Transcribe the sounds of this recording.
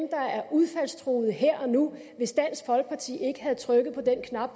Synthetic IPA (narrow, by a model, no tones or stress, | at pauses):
md̥ɑ̈æɐʔuðˠfæl̰st͡sʰʁoːð̩ˠɦeɐ̰ʔɒ̽nu | ʋe̝sd̥æn̰sfɒ̽lɡ̥ə̥pʰɑ̈t͡sʰḭːe̝ɡ̥əɦæð̞̩ˠt͡sʰʁœɡ̥ð̞̩ˠpʰɒ̽d̥en̰kʰnɑ̈b̥